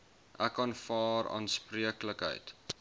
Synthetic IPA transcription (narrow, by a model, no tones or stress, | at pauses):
ʔækɑnfɑːɾɑ̰ːnspriəkləkɦə̰jt